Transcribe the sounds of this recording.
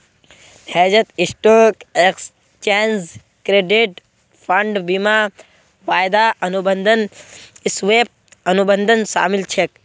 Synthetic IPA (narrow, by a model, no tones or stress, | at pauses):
ɛːd͡ʒət̪isʈoːkeks | t͡ʃeːnz | kɾeːɖiʈ | pʰɐɳɖbima | ʋaːjd̪aʔɐnubənd̪ʱənsʋeːp̚ɐnubənd̪ʱənʃa̰ːmilt͡ʃʰek̚